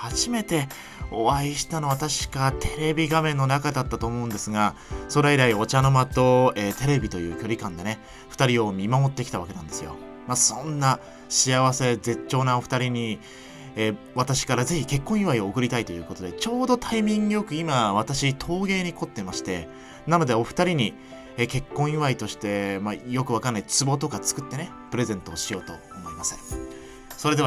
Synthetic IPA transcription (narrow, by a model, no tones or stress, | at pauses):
haʑime̞t̪e̞ | o̞βaiɕi̥t̪ano̞βat̪aɕi̥kat̪ʰe̞ɾe̞bʲiɡamẽ̞nːo̞nakad̪at̪ːat̪o̞ːmo̞ɯ̟̃nd̪e̞sɨɡaso̞ɾeiɾaio̞t͡ɕano̞mat̪o̞eːt̪e̞ɾe̞bʲit̪o̞jɯ̟̰ːkʲo̞ɾʲikãnd̪e̞ne̞ | ɸɯ̟̥t̪aɾʲio̞ːmʲimamo̞t̪ːe̞kʲi̥t̪aβake̞nã̰nd̪e̞sɨjo̞̰ | masõ̞nːa | ɕiaβase̞d͡ze̞t͡ɕo̞ːnãɸɯ̟̥t̪aɾʲiɲ̟i | e | βat̪aɕi̥kaɾaze̞çike̞kːõ̞ɰ̃iβaio̞ːkɯ̟ɾʲit̪ait̪o̞jɯ̟ːko̞t̪o̞d̪e̞t͡ɕo̞ːd̪o̞t̪ʰaimʲĩŋɡɯjo̞kɯ̟imaβ̞at̪aɕit̪ʰo̞ːɡe̞ːɲ̟iko̞t̪ːe̞maɕi̥t̪e̞ | nano̞d̪e̞o̞ɸɯ̟̥t̪aɾʲiɲ̟i | eːke̞kːõ̞ɰ̃iβait̪o̞ɕi̥t̪e̞majo̞kɯβakanːait͡sɨbo̞t̪o̞kat͡sɨ̥kɯ̟t̪ːe̞ne̞ | pɾe̞zẽ̞nt̪o̞ːɕijo̞ːt̪o̞̰ːmo̞imasɨ̥ | so̞ɾe̞d̪e̞